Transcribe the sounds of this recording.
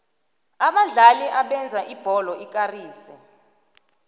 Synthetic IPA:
aɓaɮaliʔaɓɛnd͡zʱaʔib̥ʱɔlɔʔik̬ʼariːsɛ

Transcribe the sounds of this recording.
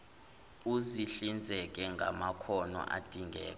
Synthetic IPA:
uziɬind͡zʱɛk̬ɛŋɡʱa̰makʰɔnɔ̰ʔa̰d̥ʱiŋɡɛ̰ːkɔ

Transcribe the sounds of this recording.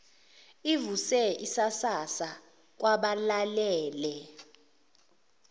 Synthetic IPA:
ivusɛisasasa | k̬waɓalalɛːlɛ

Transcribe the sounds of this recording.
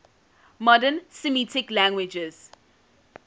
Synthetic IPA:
mɔdənsɪmitɪklæ̃ŋɡwɪd͡ʒɪz̥

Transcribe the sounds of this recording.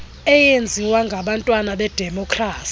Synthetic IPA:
ɛjend͡zʱiwaŋɡʱaɓantʼwanaɓɛd̥ʱɛmɔkʰʼraːsi

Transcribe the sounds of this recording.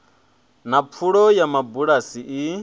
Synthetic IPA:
nap̪fʰuɺɔjamabuɺasiʔi

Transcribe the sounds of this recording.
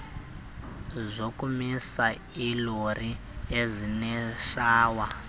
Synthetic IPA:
zʷokʼumisa | ilori | ezʷinɛʃaːwa

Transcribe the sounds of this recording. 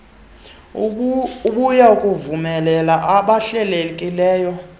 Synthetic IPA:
uɓujaukʼuvumɛlɛlaʔaɓaɬɛlekʼilɛːjɔ

